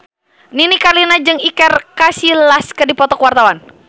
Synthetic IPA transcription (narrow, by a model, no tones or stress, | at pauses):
ninikarlinad͡ʒɨŋikɛrkasilaskədipɔt̪ɔkwart̪awan